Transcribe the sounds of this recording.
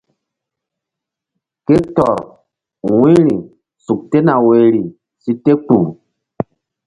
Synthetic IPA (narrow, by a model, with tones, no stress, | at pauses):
ke˦tɔ˨ɾ | wĩ˦ɾi˨ | su˨k̚te˦na˨we˨ɾi˨ | si˦te˦k͡pu˨